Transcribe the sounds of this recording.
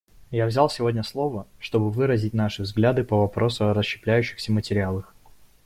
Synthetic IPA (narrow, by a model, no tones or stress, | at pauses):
javzʲalˠsʲɪvo̞dʲnʲəslˠo̞vəʂt̪o̞bɨvɨɾəzʲɪtʲnaʂɨvzɡlʲad̪ɨpəvɐpɾo̞sʊɐɾəsɕːɪ̥plʲæjʉɕːɪ̥xsʲəmətʲɪɾʲɪalˠəx